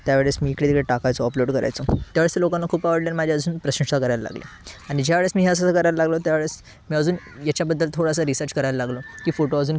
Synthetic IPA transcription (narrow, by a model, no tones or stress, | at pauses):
t̪jaʋeɭesmiːkɽet̪ikɭeʈakajt͡sɔɔploɽkəɾa̰jt͡sot̪jaʋeɭest̪elokanːakʰuːpaʋəɽljanmad͡ʑʱaəd͡zuːnpɾəɕə̃ɳʂakəɾajla̰la̰ɡlḛ | aɽ̃id͡ʑaʋeɭəsmiːɦeəs̬asakəɾajlalaɡlot̪jaʋeɭes | miːəd͡zuːn | jat͡ɕjabəd̪ːəlt̪ʰoɽas̬aɾisəɾt͡ɕkəɾajlalaɡlokiːfoʈoad͡zuːn